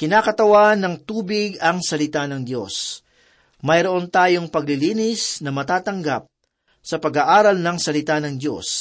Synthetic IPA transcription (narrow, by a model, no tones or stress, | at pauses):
kɪnaːkɐt̪ɐwanɐŋt̪uːbɪɡɐŋsɐlɪt̪anɐŋd̪jo̞s | mɐjɾoʔo̞nt̪aːjo̞ŋpɐɡlɪliːnɪsnɐmɐt̪aːt̪ɐŋɡap̚ | sɐpɐɡaʔaːɾɐlnɐŋsɐlɪt̪anɐŋd̪jo̞̰s